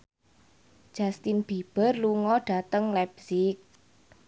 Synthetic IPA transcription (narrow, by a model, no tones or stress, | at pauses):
d̥ʒ̥a̤st̪ɪnb̥i̤b̥ə̤rluŋɔɖ̥a̤t̪əŋlɛbsɪk̚